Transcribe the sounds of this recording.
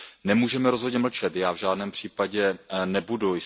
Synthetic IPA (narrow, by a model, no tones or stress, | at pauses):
nɛmuːʒɛmɛɾozɦodɲɛml̩t͡ʃɛt̪jaːvʒaːdnɛːmpr̝̥iːpaɟɛnɛbudujɪ